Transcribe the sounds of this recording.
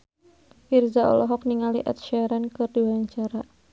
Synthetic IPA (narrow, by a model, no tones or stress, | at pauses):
firzaɔ̰lɔɦɔk̚niŋaliʔa̰t̪ʃɛɾankɨrdiwaɲt͡ʃaɾa